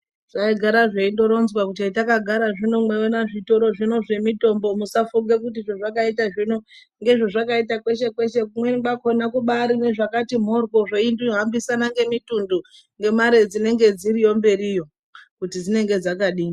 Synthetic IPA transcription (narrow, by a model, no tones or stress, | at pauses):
ʐ̥aiɡʱaɾaʐeindo̞ɾo̞nzwakutiaitakaɡʱaɾaʐinomweonaʐito̞ɾo̞ʐino̞ʐe̞mito̞mbo̞musafuŋɡe̞k̬ut̬iʐoʐakaitaʐino̞ | ŋɡe̞ʐo̞ʐakaitakwe̞ʃe̞kwe̞ʃe̞kumweɓakonakuɓaɾine̞ʐakatim̤o̞rkoʐeindoɦambisanaŋɡe̞mitundu | ŋɡe̞maɾe̞d͡zine̞ŋɡe̞d͡zirijo̞mbe̞rijo̞ | kutid͡zine̞ŋɡe̞d͡zakaɗiːi